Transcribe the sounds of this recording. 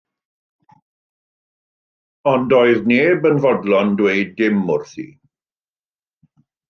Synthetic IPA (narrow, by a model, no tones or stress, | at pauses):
ɔndɔɨðneːbənvɔdlɔndweɨdɪmʊrθḭː